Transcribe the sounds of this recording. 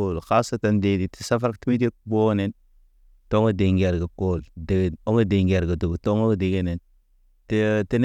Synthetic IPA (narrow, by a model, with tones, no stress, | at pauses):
o˦lxa˦sa˦ta˨nde˨di˨ti̥˨sa˦fa˦ɾkti˦mi˦di˦kbo˦ne˨n | to˦ŋo˦de˨ŋɡe˨ɾɡa˨ko˦lde˨ɡo˦ŋa˦de˨ŋɡe˨ɾɡa˨du˨ɡto˦ŋo˦ɡde˨ɡe˦ne˨n | tti˦n